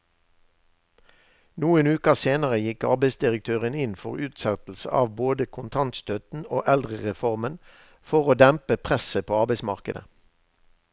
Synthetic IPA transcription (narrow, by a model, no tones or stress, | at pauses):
nuːənʉːkəseːnəʁəjɪkɑ̰ʁbeɪsd̪ɪʁək̚t̪ʰøːʁənɪnfɔ̰ʁʉːt̪sɑt̪l̩sə̰ʔɑ̰ːʋboːd̪əkʰʊnt̪ʰɑnt̪st̪œt̪n̩o̰ːʔɛld̪ʁəʁɛfɔʁmən | fɔʁoːd̪æmpəpʰʁɛsəpʰoːɑːʁbæɪsmɑʁkəd̪ə̰